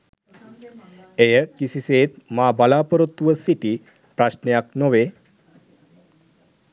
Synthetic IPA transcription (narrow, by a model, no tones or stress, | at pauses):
ejəkisiset̪mabalapəɾut̪ːʋəsiʈiː | pɾaɕnjaknoʋe